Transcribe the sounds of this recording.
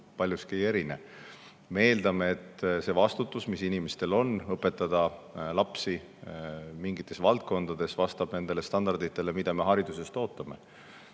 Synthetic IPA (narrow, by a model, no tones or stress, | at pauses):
pɑlʲjuskieje̞ɾine̞̰ | mee̞ːld̪̥ɑmeːt̪ːˑse̞vɑst̪ut̪ːˑusmisinimest̪e̞lo̞nːɤpːe̞t̪ːˑɑd̪̥ɑlɑpsi | miŋɡit̪ːˑe̞svɑlt̪̚ko̞nd̪̥ɑd̪̥e̞svɑst̪ɑb̥ne̞nd̪e̞lest̪ɑnd̪ɑrd̪it̪ːˑe̞le̞mid̪̥ɑme̞ɦɑɾid̪̥use̞st̪o̞ːt̪ːˑɑme̞̰